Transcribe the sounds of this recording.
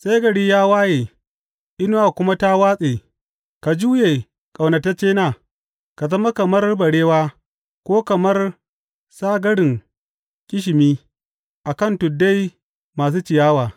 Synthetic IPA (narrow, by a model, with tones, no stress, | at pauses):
sa˦jɡɐ˨ɽi˦jaː˦waː˦jeː˨ | ʔɪ˦no˦wa˨kʷʊ˦ma˦ta˦waː˦sʼeː˨ | ka˨d͡ʒuː˦jeː˨ | kʼa˨wnɐ˨ta˦t͡ʃeː˦naː˨ | ka˨zɐ˦ma˦kɐ˨mɐ˦rbɐ˨ɽeː˦waː˦ | kʷoː˦kɐ˨mɐ˦r | saː˦ɡɐ˦ɽɪ˨ŋ | kʲʼɪ˦ʃ̬ɪ˨miː˦ | ʔa˨kɐ˦˨ntʊ˨dːa˦j | maː˨s̬uː˦t͡ʃɪ˨jaː˦waː˨